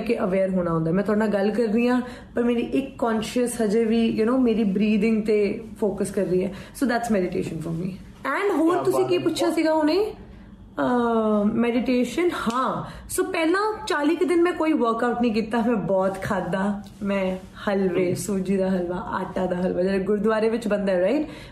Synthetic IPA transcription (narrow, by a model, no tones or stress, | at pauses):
keʔəʋeːɾɦoːnaːɦʊ̃nd̪aːmɛ̃ːt̪ʊaːɽnãɡəlkəɾːijãː | pəɾmeːɾiːʔɪkːɔːnʃəsɦəd͡ʒeːʋiːjʊnoːmeːɾiːbɾiːd̪ɪ̃ŋɡt̪eːfoːkəskəɾːiːɛːsoːd̪ɛːʈsmɛɖɪʈḛːʃənfɔːɾmiː | ɛ̃ːɳɖɦoːɾt̪ʊsĩːkiːpʊtːʃʰaːsiːɡaːoːneː | mɛɖɪʈeːʃənhãːsoːpɛːlãːt͡ʃaːliːked̪ɪnmɛ̃ːkoːiʋəːɾkaːʊʈnəĩk̬iːt̪amɛ̃ːbɔːt̪kʰaːd̪aː | mɛ̃ː | hɐlʋeːsuːd͡ʒiːd̪aːɦɐlʋaːʔa̰ːʈaːd̪aːɦɐlʋaːd͡ʒəɾɡʊɾd̪ʊaːɾeʋɪt͡ʃbə̃nd̪aɛɾaɪʈ